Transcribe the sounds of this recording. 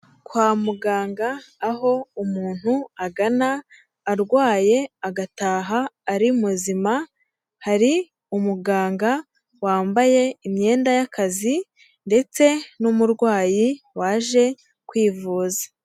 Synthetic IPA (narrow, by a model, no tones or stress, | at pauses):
kwaːmuɡaːŋɡaːɦo̞umuːn̥huaɡanaː | ɾɡwaːje̞aɡataːɦaːɾimuzima | haɾi | umuɡaːŋɡa | waːmbaje̞imɲe̞ːndajakʰazi | nde̞t͡se̞numuɾɡwaːji | waːʒe̞ | kwiːvuːzḁ